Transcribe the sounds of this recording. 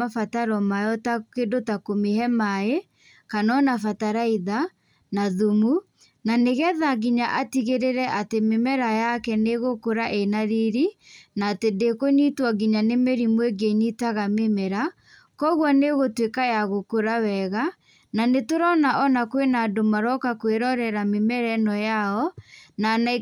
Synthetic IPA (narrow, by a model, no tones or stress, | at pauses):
afataɾɔmajɔtakedotakomehɛmae | kanɔnafataɾaiða | naðumu | naneɣɛðaɡiɲaʔatiɣeɾeɾɛʔatememɛɾajakɛneɣokoɾaʔenaɾiɾinaːtedekoɲitwaɡiɲanemeɾimweɡeɲitaɣamemɛɾa | kɔɣwɔneɣotwekajaɣokoɾawɛɣa | nanetoɾɔnaʔɔnakwenadomaɾɔkakweɾɔɾɛɾamemɛɾɛnɔjaɔnana